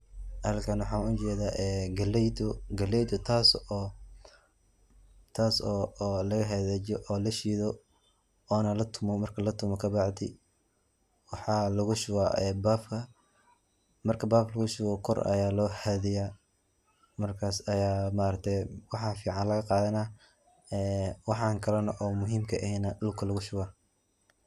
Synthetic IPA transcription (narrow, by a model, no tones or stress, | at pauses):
hɐlkʰɐnwɑħɑːnʊt͡ʃɛːðaːʔɛːɡɐlɛd̪ʊɡɐlɛjd̪ʊt̪ʰaːsɔː | t̪ʰaːsɔːlɐɣɐɦɛðɛt͡ʃɔʔɔːlɐʃiːðɔ | ɔːnɐlɐt̪ʰʊmɔmɐrkʰɐlɐt̪ʰʊmɔkʰɐbɑʕd̪ɪ̰ | wɑħɑːlɐɣʊʃʊwaɛbaːfkʰɐ | mɐrkʰɐbaːflɐɣʊʃʊwɐkʰɔrɐ̰jaːlɔːhɛðɪjaː | mɐrkʰaːsɐjaːmaːɾɐk̚t̪ʰɛjwɑħɑfiːʕɑnlɐɣɐqɑːðɐnɐ | ɛːwɑħɑŋkʰɐlɐnɐʔɔːmʊɦiːmkʰɐɛhɛnɐdʊlkʰɐlɐɣʊʃʊwaː